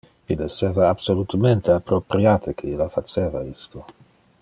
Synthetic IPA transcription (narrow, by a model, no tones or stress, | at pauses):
ilːeseːvaːbsolut̪ament̪eapːɾopɾjaːt̪ʰekʰeilafat͡ʃeːvaist̪o